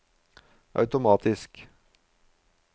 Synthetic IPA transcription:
ʔɑ̰ʉt̪ʊmɑːt̪ʰɪsk

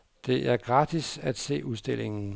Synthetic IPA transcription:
d̥e̝ʔæɐɡ̥ʁɑ̈d̥isæd̥se̝̰ːuðˠsd̥e̝l̰e̝ŋn̩

